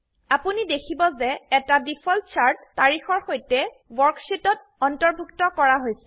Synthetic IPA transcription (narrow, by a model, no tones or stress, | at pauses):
apunidekʰibɔzɛɛtadipʰɔlt͡ʃaɹtːaɹixɔɹxojtɛ | wɔɹksitɔt̚ | ɔntɔɹbʱuktɔkɔɹaɦojsɛ̥